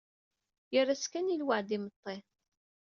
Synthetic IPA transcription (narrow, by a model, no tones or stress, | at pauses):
jərːaskænilwaʕd̪imət̪ˤːe